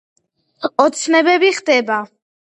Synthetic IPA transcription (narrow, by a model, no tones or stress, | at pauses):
ɔt̪sʰnɛbɛbiχd̪ɛba